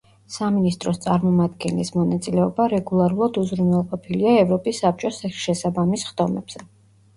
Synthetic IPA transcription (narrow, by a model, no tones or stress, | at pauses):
saminist̪ʼɾɔst̪sʼaɾmɔmad̪ɡɛnlismɔnat̪sʼilɛɔbaɾɛɡulˠaɾulˠad̪uzɾunwɛlˠqʼɔpʰiliaɛvɾɔpʼisːap̚t͡ʃʼɔsʃɛsabamisχd̪̥ɔmɛ̰b̥z̥ɛ